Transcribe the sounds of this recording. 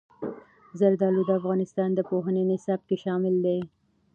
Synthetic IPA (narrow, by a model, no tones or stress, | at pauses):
zaɾd̪ɑlud̪əafɣɑnɪst̪ɑnd̪əpoɦənenɪsɑb̚keʃɑmɪld̪e